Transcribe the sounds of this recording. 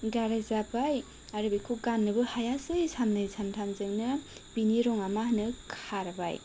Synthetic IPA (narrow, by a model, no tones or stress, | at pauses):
ɡaɾazabaj | aɾɯbikʰoɡanːɯbɯhajasɯjsʰamnɯsʰamtʰamzɯŋnɯ | biniɾɔŋamahnɯkʰaɾba̰j